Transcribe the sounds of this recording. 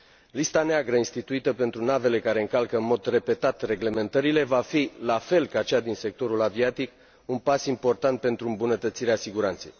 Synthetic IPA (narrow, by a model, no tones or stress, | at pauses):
list̪aneaɡɾəinst̪it̪uit̪əpe̞nt̪ɾunave̞le̞kaɾe̞ɨŋkalkəɨnmo̞d̪re̞pe̞t̪at̪re̞ɡle̞me̞nt̪əɾile̞vafilafe̞lkat͡ʃad̪inse̞k̚t̪o̞ɾulaviat̪ik | unpasimpo̞rt̪ant̪̚pe̞nt̪ɾuɨmbunət̪ət̪siɾeasiɡuɾant̪se̞̰j